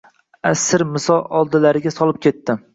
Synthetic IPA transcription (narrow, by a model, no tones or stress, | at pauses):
asɪɾmɪsɒlˠɒlˠd̪ɪlaɾɪɡʲasɒlɪp̚kʲʰe̞t̪ːɪ